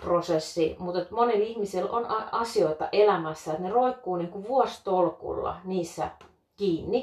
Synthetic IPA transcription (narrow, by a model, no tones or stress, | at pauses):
prosesːimut̪et̪monelihmiselo̰nɑɑsioit̪ɑʔelæmæsːæet̪neroikːuːniːŋkuʋuost̪olkṵlːɑ̰niːsːæ̰ | kiːnːi